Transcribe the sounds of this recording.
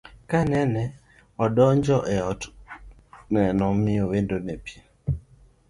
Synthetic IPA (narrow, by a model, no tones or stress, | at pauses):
kanɛnɛ | ɔdɔnd͡ʒɔʔɛɔ | nɛnɔmiowendonɛpje